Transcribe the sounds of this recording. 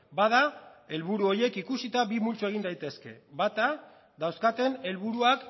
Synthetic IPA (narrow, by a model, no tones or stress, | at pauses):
bað̞ae̞lβuɾuo̞je̞kikusit̪aβimult͡soe̞ɣ̞ind̪ajt̪e̞ske̞̰βat̪a | d̪awskat̪e̞ne̞lβuɾuak